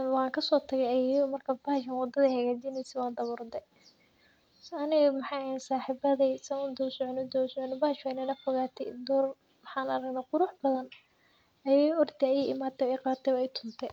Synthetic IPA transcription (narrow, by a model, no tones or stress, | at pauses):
wɑːŋkʰɐsɔːt̪ʰɐɣɛjɐjɐmɐrkʰɐbɐhʃɐnwɑd̪ɐðɐhɐɣaːd͡ʒinɛjsɛwɑːnd̪ɐβʊɾd̪ɛ | ɐnɪɣɐmɐħɑjnsaːħibɐðisɐʊnd̪ɔsɔʕnɪd̪ɔsɔʕnɪbɐhʃɛnɐnɐfɔɣaːt̪ʰɛ̰jd̪ɔːr | mħɑːnɐɾɐɡnaːqʊɾʊħbɐðɐn | ɐjɛɔrd̪ʰɛɐjɛɪmaːt̪ʰɛɛjqɑːt̪ʰɛwɛjt̪ʰʊnt̪ʰɛ